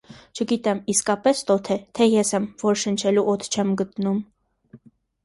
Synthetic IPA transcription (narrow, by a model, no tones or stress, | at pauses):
t͡ʃʰəɡit̪ɛmiskɑpɛst̪ɔt̪ʰɛt̪ʰɛjɛsɛmvɔɾʃənt͡ʃʰɛluʔɔt̪ʰt͡ʃʰɛmɡət̪num